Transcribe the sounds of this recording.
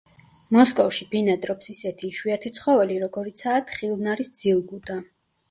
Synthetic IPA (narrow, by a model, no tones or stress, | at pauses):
mɔskʼɔvʃibinad̪ʼɾɔpsisɛt̪ʰiːʃwiat̪ʰit̪sʰχɔvɛliɾɔɡɔɾit̪sʰaːt̪ʰχilˠnaɾisd̪z̥ilˠɡud̪a